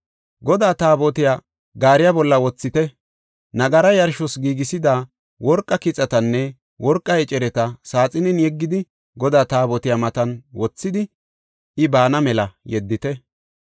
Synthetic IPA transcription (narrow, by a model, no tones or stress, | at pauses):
ɡɔd̪aːt̪aːbɔt̪ɪja | ɡaːɾɪjɐbɔlːɐwɔt͡sːɪt̪ɛ | nɐɡɐɾɐjɐɾʃɔsɡiːɡɪsɪd̪aː | wɔɾkʼːɐkɪt͡sʼːɐt̪ɐnːɛ | wɔɾkʼːɐɛt͡ʃʼɛɾɛt̪ɐsaːt͡sʼɪnɪnjɛɡːɪd̪ɪ | ɡɔd̪aːt̪aːbɔt̪ɪjamɐt̪ɐnwɔt͡sːɪd̪ɪ | ɪbaːnɐmɛlɐjɛd̪ːɪt̪ɛ